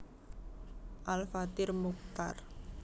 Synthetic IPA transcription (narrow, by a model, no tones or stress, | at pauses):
ʔalfat̪ɪrmuk̚t̪a̰r